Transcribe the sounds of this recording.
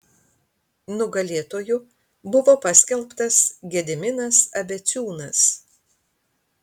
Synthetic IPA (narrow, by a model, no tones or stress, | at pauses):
nʊɡɐlʲeːt̪oːjʊ | bʊʋoːpɐsʲkʲɛlʲˠˑpt̪ɐsɡʲɛd̪ʲɪmʲɪnɐsɐbʲɛt̪sʲuːnɐs